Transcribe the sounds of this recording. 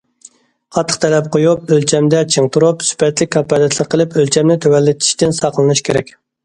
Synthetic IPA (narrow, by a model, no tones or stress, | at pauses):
qʰɑt̪ʰːəχt̪ʰɛlɛp̚qʰojup̚ølt͡ʃʰɛmd̪ɛt͡ʃʰiŋt̪ʰuɾupsy̥pʰɛt̪lɪk̚ʲkʰːɑpɑd̪ɛt̪ʰlˠəqʰːəlˠɪpølt͡ʃʰɛmnɪt̪ʰøwɛlːɪt̪ʰi̥ʃt̪ɪnsɑqəlˠɨnɨʃkʲʰeɾɛ̰kʲ